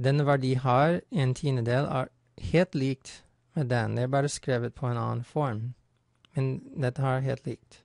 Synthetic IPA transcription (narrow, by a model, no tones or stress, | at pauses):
d̪ɛnəʋæɖiːhɑːɾeːnt̪ʰiːnəd̪eːlæ̰ːɾ | heːlt̪liːk̚t̪ | med̪ɛnd̪eæːbɑːɾəskɾeːʋət̪̚pʰoːeːnɑ̰ːn̩fɔɹm | mɛnd̪ɛt̪ːəæɦḛːlt̪liːk̚t̪